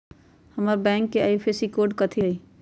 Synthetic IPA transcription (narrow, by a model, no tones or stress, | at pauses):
həməɾbɛ̃ːŋkːeajpʰesikoːɾɖkət̪ʰiɦəi